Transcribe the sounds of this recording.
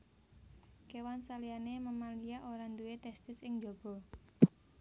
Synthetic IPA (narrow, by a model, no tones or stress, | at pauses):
kewansalijaneməmalijaʔoɾand̪uwet̪ɛst̪ɪsɪŋd͡ʒob̥ɔ̤